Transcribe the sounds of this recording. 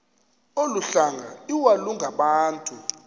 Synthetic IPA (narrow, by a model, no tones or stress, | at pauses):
oluɬaŋʱa̰iwaluŋɡʱaɓaːntʼu